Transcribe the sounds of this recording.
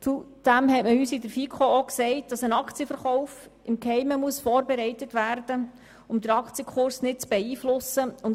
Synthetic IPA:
t͡sud̥æmɦɛtməyːsɪdəɾfikʰooksɛɪt̚d̥ɑsənɑkt͡sijəfəɾχɔʊf | ɪmkhɛɪməmuəsfɔːɾbɛɾɛɪtətvæːrd̥ə | ʊmd̥̪əɾɑkʰt͡sjəkʰχʊɾsnɪt̚t͡sb̥ɛiːflʊsəʊn

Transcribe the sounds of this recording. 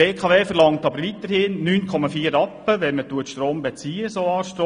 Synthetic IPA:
eːkʰɑʋeːfəɾlɑŋtɑbəɾʋit̪əɾhɪnːyːnkʰɔmɑfiːəɾɑpːəʋɛnmətuətʃtɾoːmbet͡siːəsoɑːʃtɾoː

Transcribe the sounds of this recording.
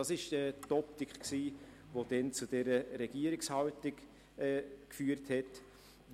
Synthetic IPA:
ɑsɪʃɛtɔp̚tɪkχksiː | vod̥ɛnt͡sud̥ɛɾəɾɛɡ̥iəɾɪkshɑltɪk | ɛːkfyːɾthɛt

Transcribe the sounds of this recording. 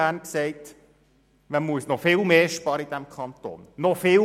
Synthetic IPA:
æːnksɛɪt | mɛmuəsnɔfɪːlmeːʃpɑːɾəid̥æmkʰɑnt̪o̰ːnːɔfɪːl

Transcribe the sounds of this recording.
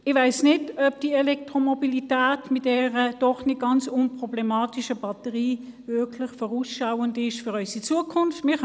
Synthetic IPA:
ɪvaɪsnɪdœp̚d̥iɛlɛk̚tʁomobilitɛːtmɪt̚d̥ɛːʁəd̥ɔχnɪt̚ɡ̥ɑnt͡sʊnpʁɔblɛmaːtiʃəbɑtəʁiːvøkʰlɪχfɔʁuːsʃaʊəndɪʃfyʁœʏsit͡suːəkʰʊnftmɪː

